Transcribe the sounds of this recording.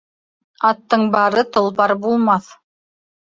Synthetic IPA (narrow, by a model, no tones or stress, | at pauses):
ɑt̪ːɤɴbɑɾɤt̪ŏlˠpɑɾbulˠmɑθ